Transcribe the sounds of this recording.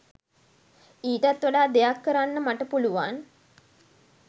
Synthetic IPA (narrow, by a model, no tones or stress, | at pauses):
iːʈat̪ʋaɖaːd̪ejakːəɾanːəmaʈəpuluʋan